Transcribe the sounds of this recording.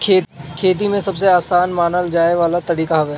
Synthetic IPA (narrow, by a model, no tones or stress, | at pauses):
kʰeːkʰeːt̪̬imẽsɐbs̬eaːsaːnmaːnəld͡ʒaːeʋaːlat̪ɐɽiːkaɦɐʋeː